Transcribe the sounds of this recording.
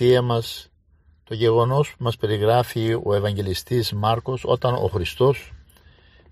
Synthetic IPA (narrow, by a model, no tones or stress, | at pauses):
iɐmɐs | t̪o̞ʝe̞ɣo̞no̞spumɐspe̞ɾiɣɾɐfio̞e̞vɐɲɟe̞list̪izmɐɾko̞so̞t̪ɐno̞̰xɾist̪o̞s